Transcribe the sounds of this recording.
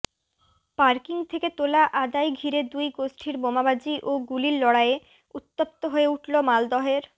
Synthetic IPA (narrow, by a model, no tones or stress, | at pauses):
paɾkiŋt̪ʰeket̪olaʔad̪ajɡʱiɾed̪ujɡosʈʰiɾbomabad͡ʑiʔoɡuliɾlɔɽae | ut̪ːop̚t̪oɦoeuʈlomald̪ɔɦeɾ